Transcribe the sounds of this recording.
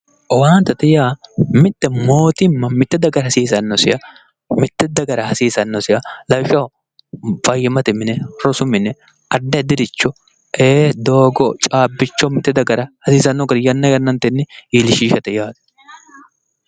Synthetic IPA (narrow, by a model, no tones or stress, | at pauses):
ʔɔwaːnt̪ɐt̪ɛjaːmɪt̪ːɛmoːt̪ɪmːɐmɪt̪ːɛd̪ɐɡɐɾhɐsiːsɐnːɔsɪ̰jɐ | mɪt̪ːɛd̪ɐɡɐɾɐhɐsiːsɐnːɔsɪjɐlɐwʃɐ | fɐjːɪmɐt̪ɪmɪnɛɾɔsʊmɪnɛ | ʔɐdːɐɪd̪ɪd̪ɪt͡ʃːɔ | eːd̪oːɡɔt͡ʃʼaːbːɪt͡ʃːɔmɪt̪ːɛd̪ɐɡɐɾɐhɐsiːsɐnːɔɡɐɾjɐnːɐɡɐnːɐnt̪ɛnːɪiːlɪʃiːʃɐt̪ɛjaːt̪